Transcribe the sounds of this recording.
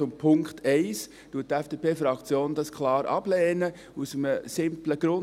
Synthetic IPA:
ʊmpʰʊŋkχtʰɛɪs | tuətɛfd̥eːpeːfɾɑkt͡sjoːnd̥ɑskʰlɑːɾʔɑ̰b̥lɛːnə | usəməsɪmpləɡ̥ɾʊn

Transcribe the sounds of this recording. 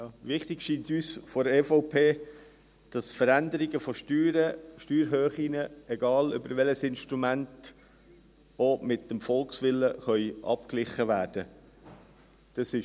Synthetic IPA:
ʋɪχt̪ɪɡʃiːntyːsfɔɾɛːfɔʊpʰeː | d̥ɑsfəɾænd̪əɾiɡəfɔʃtyːɾəʃtyːɾɦøːχinəɛɡɑːlʏ̰bəɾʋɛləsɪnʃtɾumænt | omɪtdəmfɔlksʋɪlːəχœʏʔɑ̰p̚klɪχəʋæːɾd̥ə | d̥ɑsɪ

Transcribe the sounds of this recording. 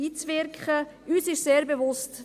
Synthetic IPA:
iːt͡svɪɾkʰχə | ʔyːsɪʃseːɾbevʊst

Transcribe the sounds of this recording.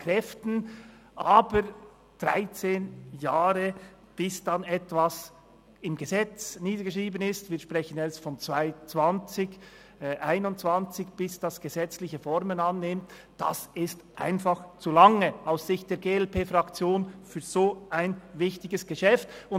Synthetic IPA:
kʰrɛftn̩ | ʔaːbəɾ | d̥ʁa̰ɪt͡seːnjaːɾə | b̥ɪsd̥anɛtv̥as | ɪmɡəzɛt͡sniːdəɡ̥əʃʁiːbənɪstviːʃprɛçənɛstfɔnt͡sv̥aɪt͡sv̥ɑnt͡sɪç | ʔaɪnʊntt͡sv̥ɑnt͡sɪçb̥ɪsd̥asɡ̥əzɛt͡slɪçəfɔɾmənɑnːɪmt | d̥a̰sɪstʔa̰ɪnfɑχt͡sulɑŋəaʊssɪçt̚d̥eːɐɡeːɛlpeːfɾɑkt͡sjoːnfyːɾz̥oːaɪnvɪçtɪɡəsɡ̥əʃɛftʊn

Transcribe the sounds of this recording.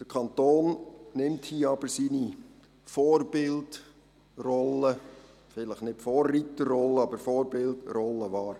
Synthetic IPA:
d̥əkʰɑnt̪oːnnɪmthiːəɑb̥əɾsiːni | fɔːrbɪlt | rɔlːə | fɪləχnɪtfɔːrːitəːɔlːəɑbəɾfɔːɾbɪltɾɔlːəʋɑːɾ

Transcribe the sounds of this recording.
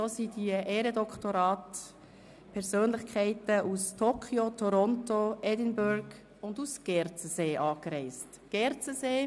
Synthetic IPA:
soːsidiəʔeːɾədɔkχtoɾɑːt | pʰɛɾzøːnlɪχkʰɛɪtəʔustʰoːkʰχiotʰɔɾɔntoɛdɪnbʊɾɡ | ʊndusɡ̥ɛɾt͡səseːʔɑːkɾɛɪst | ɡ̥ɛɾt͡səzeː

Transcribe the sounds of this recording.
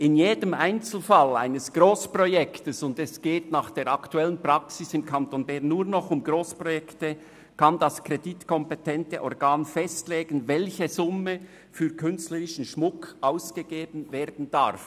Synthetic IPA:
ɪnjeːdəmaɪnt͡sl̩fala̰ɪnəsɡ̥roːspʁɔjɛktəsʊndɛsɡ̥eːtnɑːχd̥eːɾɑktuɛlənpr̥aksɪsɪmkʰɑntonbɛːnːuːʁnɔχʊmɡʁoːspʁɔjɛktə | kʰandaskʁeditkʰɔmpetʰɛntə̰ʔɔʁɡaːnfɛstleːɡ̥n̩vɛlçəzʊmə | fyːɾkʰʏnstləʁɪʃn̩ʃmʊkʔaʊsɡ̥əɡ̥eːbn̩veːʁdn̩d̥a̰ʁf

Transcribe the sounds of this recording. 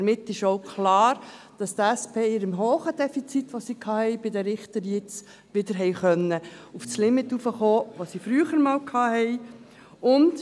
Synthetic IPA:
ɾmɪt̪ːɪʃoʊkʰχlɑːɾ | d̥ɑst̪æspeːɪɾəmɦoːχəd̥̪ɛfit͡sit̪ʋosiːkʰɑːhɛɪbɪdəɾɪχt̪əɾjɪt͡s | ʋɪdəɾɦɛɪχœnːəufslɪmɪt̪ufəχoːʋosifɾyːəχəɾmɑːlkʰɑːhɛɪ | ʊnt

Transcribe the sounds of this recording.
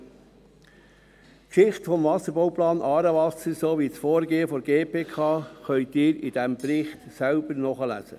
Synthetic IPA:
kʃɪχtfɔmvɑsəɾbowplɑːnʔɑːɾəʋɑsəɾsoʋisfoːɾɡeːəfɔɾɡeːpʰeːkʰɑːχœʏtɪːɾid̥æmpɾɪχtsælbəɾnɔχəlæ̰sə̰

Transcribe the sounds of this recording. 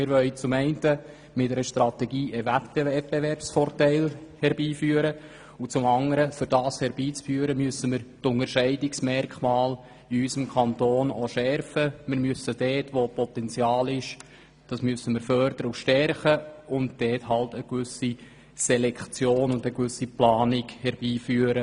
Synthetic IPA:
mɪɾʋœʏt͡sʊmɛɪntə | mɪtd̥ɛɾəʃtrɑt̪ɛɡiːʔəvɛtbɛɛt̚b̥ɛvɛrpsfɔrtæɪlhɛɾbiːfyːəɾə | ut͡sʊmɑŋəɾəfʏɾd̥ɑːshɛɾbiːt͡sfyəɾəmyəsəmɪɾtʊŋəɾʃɛɪdɪksmɛrkχmɑːl | iysəmkʰɑntoːnoʃɛrfəmɪɾmyəsəd̥ɛːtʋopɔtɛnt͡sjɑːlɪʃ | d̥ɑsmyəsəmɪɾfœɾdəɾəuʃtɛrχəʊnt̚d̥ɛːthɑltəkʋʏsi | sɛlɛkt͡sjoːnʊndəkʋʏsiplɑːnɪkhɛɾb̥iːfyːəɾə

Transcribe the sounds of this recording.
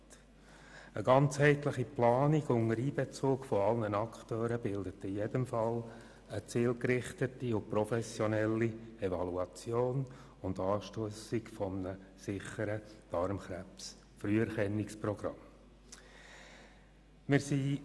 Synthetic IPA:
ə̰ɡɑnt͡shɛɪt̪ləχiplɑːniɡʊŋəɾiːbɛt͡soːkfɔɑlnənɑkχt̪øːɾəbɪldət̪ɪjedəmfɑl | ət͡siːlkɾɪχtətiʊpɾɔfɛsjɔnɛlːiɛvɑluɑt͡sjoːn | ʊndɑːʃtøəsikfɔmənəsɪχəɾəd̥ɑɾmχɾæps | fryəɛɾχɛnːiksprɔɡ̥ɾɑ̰m | mɪɾsi

